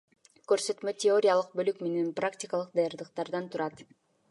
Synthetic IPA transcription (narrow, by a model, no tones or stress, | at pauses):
kø̞ɾsø̞t̪møtʲeo̞ɾʲijalˠɯq̚bø̞lykme̞ne̞npraktʲɪkalˠɯq̚d̪ɑjɑɾd̪ɯqt̪ɑɾd̪ɑnt̪ʰuɾɑt̪